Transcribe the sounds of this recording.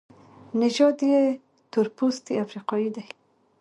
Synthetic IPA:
nɪʒɑd̪je | t̪ʊɾpust̪iafɾiqɑjid̪aj

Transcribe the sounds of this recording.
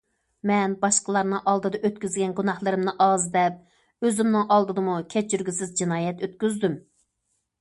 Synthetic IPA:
mɛnbɑʃqəlˠɑɾnɨŋʔɑlˠd̪ɨd̪ɑʔøt̪̚kʲyzɡʲɛnɡunɑχlˠɨɾɨmnɨʔɑzd̪ɛp̚ | øzɪmnɨŋʔɑlˠd̪ɨd̪ɨmukʲʰɛt͡ʃʰːyɾɡʲisɪzd͡ʒinɑːjɛt̪øt̪kʲyzd̪ym

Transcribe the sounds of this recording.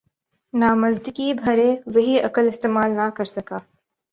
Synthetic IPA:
naːmɐzd̪ɪkibʱɐɾẽʋɐɦiɐkəlɪst̪eːmaːlnakɐɾsɐkaː

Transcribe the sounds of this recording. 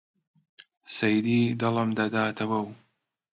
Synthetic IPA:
sɐjd̪iːd̪ɐləmd̪ɐd̪aːt̪ʰɐwɐw

